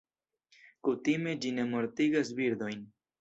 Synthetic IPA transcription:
kutime̞d͡ʒine̞mo̞ɾtiɡas̬biɾd̪o̞jn

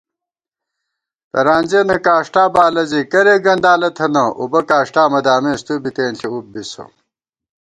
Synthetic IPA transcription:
t̪ɐ̰ɾaːnʲd͡ʑenɐkaːʂʈaːbaːlɐzikɐɾeɡɐnɖaːlɐt̪ʰɐnɐʔṵbɐkaːʂʈaːmɐd̪aːmeːst̪ubit̪eːnɬʰiub̚biso̰

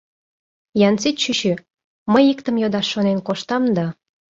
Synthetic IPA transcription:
jɑnt͡sit̪ɕyɕy | məjikt̪ə̆mjod̪ɑʃːonenkoʃt̪ɑmd̪ɑ

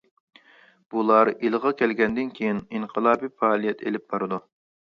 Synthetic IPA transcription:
b̥ulˠɑɾilˠʁɑkʲʰɛlɡʲɛnd̪ɪnkʲʰejininqʰəlˠɑːbifɑːlˠijɛt̪ʰḛlɪp̚bɑɾɨd̪u

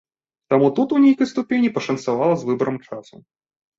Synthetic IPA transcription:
t̪amut̪ut̪unʲejkɐjst̪ʊpʲenʲipɐʂɐnsavalˠɐzvɨbɐɾɐmt͡ʂasʊ̰

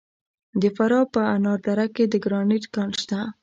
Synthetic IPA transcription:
d̪əfaɾɑpəanɑɾd̪aɾakːed̪əɡɾɑniʈkɑnʃt̪a

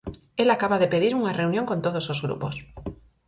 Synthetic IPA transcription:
elakaβaðepeðiɾuŋareunjõŋkont̪oð̞osozɣɾṵpos

